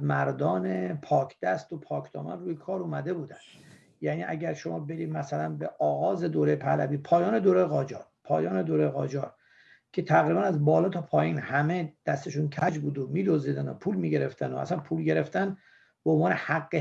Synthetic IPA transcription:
mæɾd̪ɒːnepʰɒːkʰd̪̥æst̪opʰɒːkʰd̪̥ɒ̰ːmæ̰nruːjekʰɒːɾumæd̪e̞buːd̪ænd̪̥ | jæniːʔæɟæɾʃomɒːbe̞d̪iːd̪mæsælænbeʔɒːɣɒːze̞d̪oːɾejepʰælæ̰biːpʰɒːjɒːne̞d̪oːɾejeɣɒːd͡ʒɒ̰ɾpʰɒ̰ːjɒːne̞d̪oːɾejeɣɒːd͡ʒɒːɾ | cʰe̞t̪ʰæɣɾiːbænæzbɒːlɒːt̪ʰɒpʰɒːjiːnhæme̞d̪̥æst̪eʃuncʰæd͡ʒbuːd̪omiːd̪oziːd̪æno̞̰pʰuːlmiːɟe̞ɾe̞ft̪ænoʔæ̰sænpʰuːlɟe̞ɾe̞ft̪æn | beonvɒːnehæɣːe

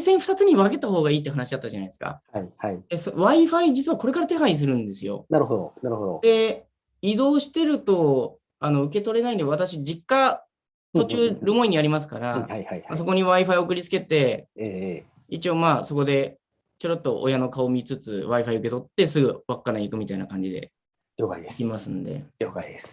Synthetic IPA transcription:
sẽ̞ɰ̃ɸɯ̟̥t̪at͡sɨɲ̟iβaɡe̞t̪aɦo̞ːɡaiːt̪ːeɦanaɕid̪at̪ːad͡ʑanaid̪eska̰aiaid̪esoβaiɸaid͡ʑit͡sɨβako̞ɾe̞kaɾat̪e̞ɦais̬ɨɾɯ̟̃nd̪e̞sɨjo̞̰naɾɯ̟ɦod̪o̰naɾɯɦod̪od̪e̞ | id̪o̞ːɕi̥t̪e̞ɾɯ̟t̪o̞ | ano̞ɯ̟ke̞t̪o̞ɾe̞naid̪eaβat̪aɕid͡ʑikːa | t̪o̞t͡ɕɨːɾɯmo̞iɲ̟iaɾʲimas̬ɨ̥kaɾahajhaasoko̞ɲ̟iβaiɸaiokɯ̟ɾʲit͡sɨ̥ke̞t̪e̞e | it͡ɕio̞ːmaːso̞ko̞d̪e̞ | t͡ɕoɾot̪ːo̞ʔojano̞kao̞mʲit͡sɨt͡sɨβaiɸaiɯ̟ke̞t̪o̞t̪ːe̞s̬ɨɡɯ̟βakːanaikɯ̟mʲit̪ainakãɲ̟d͡ʑid̪e̞̰ | jokaid̪esimasɨ̃nd̪e̞̰jokaid̪es

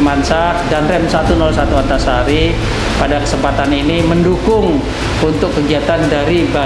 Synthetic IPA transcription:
mansak̚danrɛmsat̪unɔlsat̪uat̪asɦaɾi | padakə̥səmpat̪aniniməndukʊŋ | unt̪ʊkːəɡiat̪andaɾiba

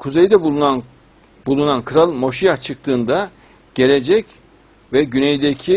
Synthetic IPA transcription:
kʰuzejd̪ɛbunan | bulˠunankʰɯɾalˠmo̞ʃijaht͡ʃʰɯk̚t̪ʰɯːnd̪a | ɟ̥e̞lʲed͡ʒɛc | vɛɟynejd̪ecʰi

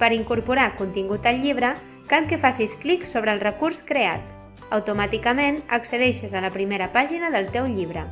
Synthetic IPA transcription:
pəɾiŋkuɾpuɾakunt̪iŋɡut̪əlʎiβ̞ɾə | kalkəfasiskliksoβɾəːlˠrəkurskɾea̰t̪̚ | əwt̪umat̪ikəmenə̰ksəðɛʃəzələpɾimeɾəpaʒinəðəlˠt̪ewʎiβɾə

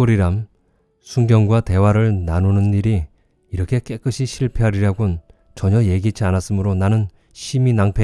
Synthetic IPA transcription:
oɾiɾam | sʰuŋɡjʌŋɡwate̞waɾɯɭnanunɯnːiɾiː | ɾʌkʰe̞k͈e̞k͈ɯɕʰiɕʰiɭpʰeɦaɾiɾjaɡon | t͡ɕʌɲʌje̞ɡid͡ʑʰianas͈ɯmɯɾonanɯn | ɕʰiminaŋpʰe

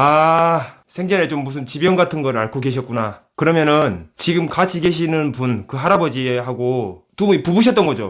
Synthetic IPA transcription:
a | sʰeŋɡʌnet͡ɕomːusʰɯnt͡ɕibjʌnɡatʰɯnɡʌɾɯɭaɭkʰoɡe̞ɕ̬ʰʌt̚k͈una | kɯɾʌmjʌnɯnt͡ɕiɡɯmkat͡ɕʰiɡe̞ɕ̬ʰinɯnpunkɯɦaɾabʌd͡ʑiɦaɡotuipubuɕ̬ʰʌt͈ʌnɡʌd͡ʑo̰

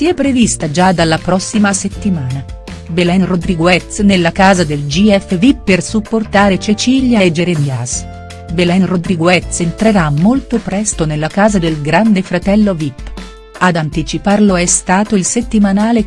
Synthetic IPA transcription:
siɛpːɾevist̪ad͡ʒad̪alːapɾɔsːimaset̪ːimaːna | belɛnrod̪ɾiɡwɛt̪snelːakaːzad̪eld͡ʒiɛfːevipːersupːort̪aːɾet͡ʃet͡ʃiːljaed͡ʒeɾenias | belɛnrod̪ɾiɡoɛt̪sent̪ɾeɾamːolt̪opɾɛst̪onelːakaːzad̪elɡɾand̪efɾat̪ɛlːovipː | ad̪ant̪it͡ʃiparloɛst̪aːt̪oilset̪ːimanaːle

